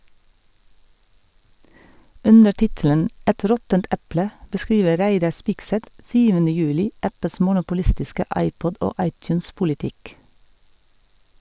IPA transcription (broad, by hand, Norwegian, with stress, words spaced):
ˈʔʉnə ˈʈɪtələn ˈʔɛt ˈɾɔtənt ˈʔɛplə bəˈskɾiːʋə ˈɾæɪdɑ ˈspɪɡˌsɛt ˈsyːʋənə ˈjʉːlɪ ˈʔæpəs mʊnʊpʊˈlɪstɪskə ˈɑɪˌpɔd ˈʔoː ˈɑɪˌtjʉːnspʊlɪˌtɪk